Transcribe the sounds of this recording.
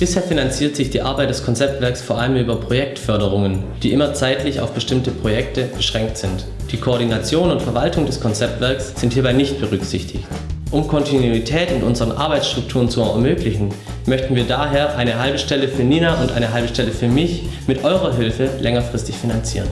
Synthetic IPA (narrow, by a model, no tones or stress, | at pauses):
b̥ɪsheːɐfinant͡siːɐtz̥ɪçd̥iːʔaɐbaɪt̚d̥ɛskʰɔnt͡sɛp̚tv̥ɛɐksfoːɐʔaləmʔyːbɐpʁ̥ojɛk̚tfœɐɾəʁ̞ʊŋənd̥iːʔɪmɐt͡saɪtlɪça̰ʊfb̥əʃtɪmtəpʁ̥ojɛk̚təb̥əʃʁ̥ɛŋk̚tz̥ɪnt | d̥iːkʰoːɐdinat͡sjoːnʊntfɛɐvaltʊŋdɛskʰɔnt͡sɛp̚tv̥ɛɐksz̥ɪnthiːɐbaɪnɪçt̚b̥əʁʏkz̥ɪçtʰɪçt | ʔʊmkʰɔntinuitʰɛːtʊntʔʊnzəʁənʔa̰ɐbaɪt͡ssʃtʁ̥ʊk̚tʰuːʁ̞ənt͡suɛɐmøːklɪçn̩ | mœçtn̩viːɐdaːɦeːɐʔaɪnəɦalbəʃtɛləfyːɐniːnaʔʊntʔa̰ɪnəɦalbəʃtɛləfyːɐmɪçmɪtʔɔʏʁɐɦɪlfəlɛŋɐfʁ̥ɪstɪçfinant͡siːʁən